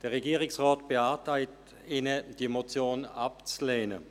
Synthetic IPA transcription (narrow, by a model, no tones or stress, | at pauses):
d̥eɐʁeɡiːʁɪksʁaːtb̥eaːɐtʰaɪt | iːnəd̥imot͡sjoːnapt͡sleːnə̰